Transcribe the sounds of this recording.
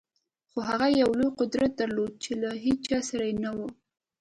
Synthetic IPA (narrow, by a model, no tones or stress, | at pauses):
xoɦaɣajawlojqʊd̪ɾat̪̚d̪aɾlod̪̚t͡ʃelaɦet͡ʃt͡ʃɑsaɾajenawu